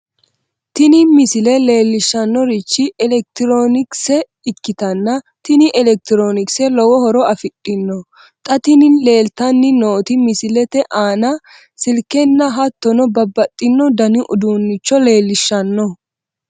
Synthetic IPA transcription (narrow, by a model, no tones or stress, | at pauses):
t̪ɪnɪmɪsɪlɛle̞ːlːɪʃːɐnːɔɾɪt͡ʃːɪʔɛlɛk̚t̪ɪɾo̞ːnɪksɛ | ɪkːɪt̪ɐnːɐ | t̪ɪnɪʔɛlɛk̚t̪ɪɾoːnɪksɛlɔwɔhɔɾɔɐfɪtʼːɪnːɔ | t̪ʼɐt̪ɪnɪnle̞ːlt̪ɐnːɪno̞ːt̪ɪmɪsɪlɛt̪ɛʔaːnɐ | sɪlkɛnːɐɦɐt̪ːɔnɔbɐbːɐt̪ʼːɪnːɔd̪ɐnɪʔʊd̪uːnːɪt͡ʃːɔle̞ːlːɪʃːɐnːɔ